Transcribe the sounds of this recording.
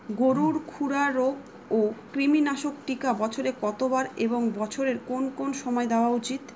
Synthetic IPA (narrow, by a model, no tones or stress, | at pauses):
ɡoɾuɾkʰuɾaɾoɡ | okɾiminaʃokʈikabɔt͡ɕʰoɾekɔt̪obaɾeboŋbɔt͡ɕʰoɾeɾkonkonʃɔmɔed̪eoaut͡ɕit̪